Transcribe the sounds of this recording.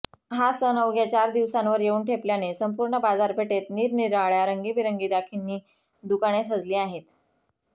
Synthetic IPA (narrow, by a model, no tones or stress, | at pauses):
ɦasənəʋɡjat͡ɕaɾd̪iʋsãnʋəɾjeuːnʈʰepljanesəmpuːɾɳəbad͡zaɾpeʈet̪niːɾniɾaɭjaɾəŋɡiːpiɾəŋɡiːd̪akʰinːiː | d̪ukaɽ̃es̬əd͡zliːaɦet̪